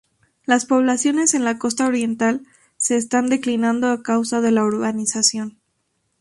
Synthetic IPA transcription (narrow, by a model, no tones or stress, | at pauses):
laspo̞βlasjo̞ne̞se̞nlako̞st̪ao̞ɾje̞nt̪al | se̞ːst̪and̪e̞klinãnd̪oakawsaðe̞laoɾβanisasjo̞n